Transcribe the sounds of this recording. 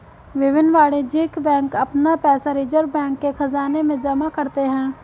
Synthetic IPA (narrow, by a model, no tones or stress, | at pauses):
ʋɪʋɪnʋaːɽed͡ʒeːkbɛ̃ːŋkɐpnapɛːsaɾiːd͡ʒəɾbɛ̃ːŋkːexɐzaːnemẽd͡ʒɐmakɐɾt̪eɦɛ̃ː